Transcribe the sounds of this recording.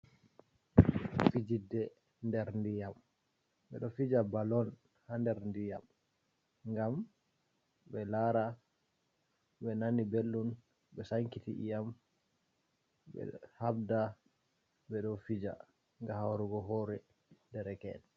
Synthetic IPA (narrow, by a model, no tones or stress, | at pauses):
fid͡ʒidːɛ | ndɛɾndijam | ɓɛ̰ɗɔfid͡ʒabalɔn | handɛɾndija̰m | ŋɡam | bɛlaɾa | ɓɛnanibelːun | ɓɛsaŋkitḭjam | ɓɛ̰hab̚da | ɓɛɗɔfid͡ʒa̰ | ŋɡahawɾuɡɔɦɔɾɛ | dɛɾɛkɛ̰n